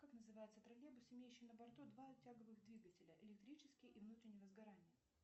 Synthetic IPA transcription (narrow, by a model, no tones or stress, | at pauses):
kaknəzɨvajɪt̪sət̪ɾɐlʲebʊsɪmʲejʉɕːɪjnəbɐrt̪ud̪vaʊtʲːaɡəvɨɣd̪vʲiɡətʲɪlʲəʔɪlʲɪk̚t̪ɾʲit͡ɕɪskʲɪjəʔivnut̪ɾʲɪnʲɪjəvəzɡɐɾanʲɪjə